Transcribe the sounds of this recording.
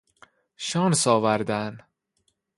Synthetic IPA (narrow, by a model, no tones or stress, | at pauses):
ʃɒːnsɒːvæɾd̪æn